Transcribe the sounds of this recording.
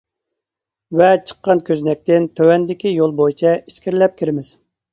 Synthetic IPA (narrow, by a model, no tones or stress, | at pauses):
vɛt͡ʃʰə̥qʰːɑnkʲʰøznɛk̚ʲt̪ɪnt̪ʰøwɛnd̪ɪkʲijolˠbojit͡ʃʰɛiʃkʲʰiɾɪlɛp̚kʲʰiɾɪmɪz̥